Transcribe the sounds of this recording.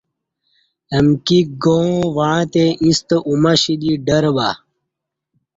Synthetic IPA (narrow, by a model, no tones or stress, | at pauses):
əmkiɡõʋãːt̪eʔĩst̪ʔumɐɕid̪iɖəɾba